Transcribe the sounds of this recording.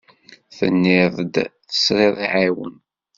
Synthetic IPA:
θə̰nːɪðˤd̪θə̥sɾɪðˤiʕiwə̰n

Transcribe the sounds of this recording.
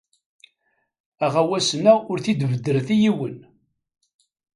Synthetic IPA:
æʁæwæsənæʊɾθid̪vəd̪ːəɾθijiwən

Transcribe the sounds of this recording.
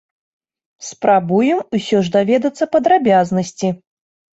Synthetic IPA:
spɾabujɛmusʲɔʐd̪avʲɛd̪ɐt̪sːɐpɐd̪ɾabʲaznɐsʲt͡sʲi

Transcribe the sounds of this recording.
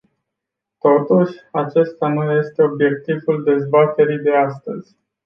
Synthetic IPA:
t̪o̞t̪uʃʲat͡ʃe̞st̪anuje̞st̪e̞o̞bje̞k̚t̪ivuld̪e̞zbat̪e̞ɾijd̪e̞ast̪əz̥ʲ

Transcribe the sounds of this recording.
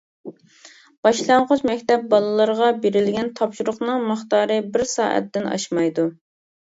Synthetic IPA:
b̥ɑʃlˠɑɴʁʊt͡ʃmɛkʲt̪ɛp̚bɑlˠɨlˠəɾʁɑbeɾɪlɡʲɛnt̪ʰɑpʃuɾʊχnɨŋməχt̪ɑːɾɨbɪɾsɑ̰ːʔɛ̰t̪ːɪnɑ̰ʃmɑjd̪u

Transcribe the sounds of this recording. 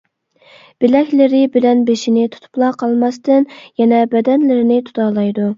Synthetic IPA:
b̥ɪlɛkʲlɪɾɪbɪlɛnbeʃinɪt̪ʰu̥t̪ʰu̥plˠɑqʰɑlˠmɑst̪ɨnjɛnɛbɛd̪ɛnlɪɾɪnɪt̪ʰu̥t̪ʰɑːlˠɑjd̪u

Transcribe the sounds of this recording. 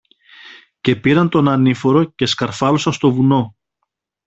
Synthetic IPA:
ce̞piɾɐnt̪o̞nɐnifo̞ɾo̞ce̞skɐɾfɐlo̞sɐnst̪o̞vuno̞

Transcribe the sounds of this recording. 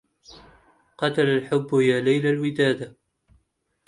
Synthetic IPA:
qɑt̪alalħʊbːjaːlajlalwɪd̪aːd̪a

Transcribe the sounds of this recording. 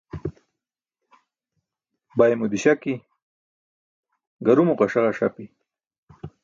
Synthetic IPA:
bajemud̪iɕaki | ɡaɾumuqaʂaʁaʃapi

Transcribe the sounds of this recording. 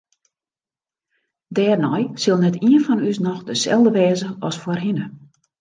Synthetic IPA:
dɛːrnɔjsɪlˠnɛtiənfɔnysnɔxdəsɛ̰lˠdəʋɛːzəɔsforɦɪnə

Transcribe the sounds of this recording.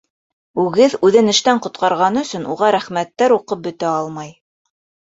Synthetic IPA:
ʉɡɘðʉðɘ̆nɘ̆ʃt̪æɴqŏt̪qɑɾʁɑnɵ̆sɵnṵʁɑɾæχmæt̪ːæɾuqɤp̚bɵ̆t̪æɑlˠmɑj

